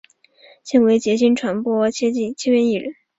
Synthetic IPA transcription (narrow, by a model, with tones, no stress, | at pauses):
ɕɛ˥˩nwe˧˥ɪt͡ɕjɛ˧˥ɕi˥nʈ͡ʂʰwa˧˥npwɔ˥t͡ɕʰjɛ˥i˥˩t͡ɕʰjɛ˥ɥɛ˥ni˥˩ɻə̰˧˥n